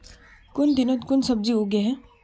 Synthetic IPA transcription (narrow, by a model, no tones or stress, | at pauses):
kʊnd̪ɪnə̃t̪kʊnsɐb̚d͡ʒioɡeɦɛ